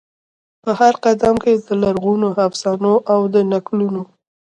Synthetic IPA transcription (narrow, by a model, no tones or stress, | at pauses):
pəhaɾqad̪amked̪əlaɾɣunohafsɑnoʔawd̪ənakluno